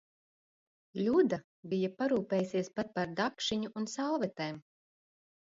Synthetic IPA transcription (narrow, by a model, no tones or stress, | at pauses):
lʲud̪a | bijapaɾuːpɛːjsiɛspat̪̚paɾd̪akʃiɲuʔunsalˠvɛt̪ɛːm